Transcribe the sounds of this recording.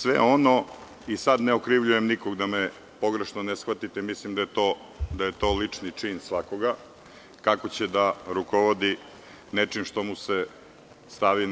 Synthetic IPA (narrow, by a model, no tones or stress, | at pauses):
sʋḛono̞ | isad̪neokɾiʋʎujemnikoɡd̪ame | po̞ɡɾeʃnonesxʋat̪it̪emislimd̪ajet̪o | d̪aje̞t̪o̞ːlit͡ʂnit͡ʂinsʋako̞ɡa | kako̞t͡ɕed̪aɾukoʋod̪i | net͡ʂimʃt̪o̞muse | st̪aʋi